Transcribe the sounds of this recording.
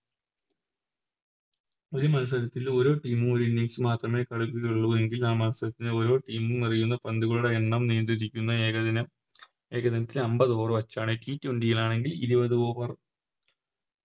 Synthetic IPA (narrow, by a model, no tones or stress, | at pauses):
o̞ɾumɐnɐs̬ɐɾɐt̪ːilo̞ːɾo̞ːʈiːmumo̞ɾuinːiŋsɨmaːt̪rɐme̞ːkɐɽukːuɣɐjuɭːɐʋɐðeŋɡilaːmɐnɐsɐɾɐt̪ːineo̞ːɾo̞ːʈiːmumnirijunːɐpɐnd̪uɣɐɭuɽeeɳːɐmneːnd̪iðikʲːunːɐeɣɐnɐ | e̞ːɣɐðɐnɐt̪ːilɐmbɐðo̞ːrɨʋɐt͡ɕːaːɳɨʈiːtːuɳɖijiɭaːɳe̞ŋɡilḭɾiʋɐðuo̞ːʋɐr